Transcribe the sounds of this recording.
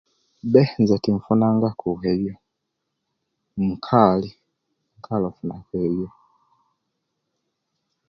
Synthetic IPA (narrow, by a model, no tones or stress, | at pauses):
bɛnzɛtiɱfunaŋɡakʰuɦɛjjɔ | m̩kʰali | ŋ̩kʰalɔfunakɛɛjjɔ